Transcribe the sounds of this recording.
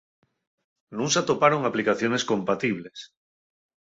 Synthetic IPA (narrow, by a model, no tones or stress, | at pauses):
nũŋsat̪opaɾoŋaplikaθjoneskõ̞mpat̪iβ̞les